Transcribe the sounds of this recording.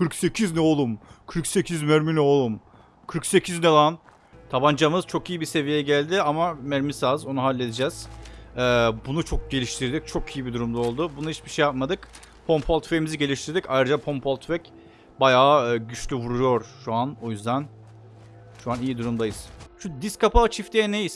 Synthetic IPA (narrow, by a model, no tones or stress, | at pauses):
kʰɯɾkse̞cʰiznɛolˠumkʰɯɾkse̞cʰizmæɾminɛolˠum | kʰɯɾkse̞cʰiznelˠan | t̪ʰaband͡ʒamɯz̥t͡ʃʰo̞kijibise̞vijeɛɟælʲd̪ɪamamæɾmisazo̞nuɦalʲːe̞d̪id͡ʒɛːz̥ɛːbunut͡ʃʰok̚ɟe̞lʲiʃt̪ʰiɾd̪ic̚t͡ʃʰo̞kijibid̪uɾumd̪aolˠd̪ʊbunuhit͡ʃbiʃe̞jap̚mad̪ɯk | pʰompʰolt̪feimiziɟe̞lʲiʃt̪ʰiɾd̪ica̰jɾad͡ʒapʰompʰolˠt̪ʰvɛc | bajaːɟyt͡ʃlʲyvuɾujo̞ɾʃuano̞jyzd̪æn | ʃuanijid̪uɾumd̪ajɯz̥ʃʰud̪iskʰapat͡ʃʰift̪ʰejɛnejis